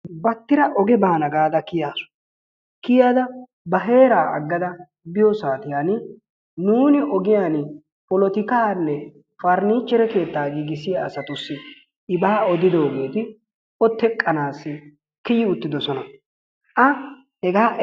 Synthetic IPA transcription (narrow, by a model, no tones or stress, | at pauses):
bɐt̪ːɪɾɐʔɔɡɛbaːnɐɡaːd̪ɐkɪjaːsʊ̥ | kɪjaːd̪ɐ | bɐɦe̞ːɾaːɐ̰ɡːɐd̪ɐ | bɪjɔsaːt̪ɪjaːnɪ | nuːnɪʔɔɡɪjaːn | pɔlɔt̪ɪkanːɛ | fɐɾniːt͡ʃːɛɾɛke̞ːt̪ːaːɡɪɡɪsɪjɐːsɐt̪ʊsːɪ | ɪbaːɔd̪ɪd̪o̞ːɡe̞ːt̪ɪ | ɔt̪ːɛkʼːɐnaːsːɪ | kɪjɪʊt̪ːɪd̪ɔsɔnɐ | ʔɐ | hɛɡaː